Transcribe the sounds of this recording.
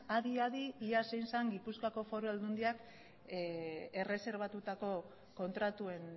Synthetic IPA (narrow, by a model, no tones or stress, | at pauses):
aðiaðiiasejnsaŋɡipuskako̞fo̞ɾoeld̪und̪iak | e̞re̞se̞ɾβ̞at̪ut̪ako̞ | ko̞nt̪ɾat̪ue̞n